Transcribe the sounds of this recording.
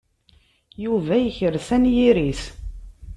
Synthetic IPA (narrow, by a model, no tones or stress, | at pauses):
juvæjəçəɾθænjiɾiθ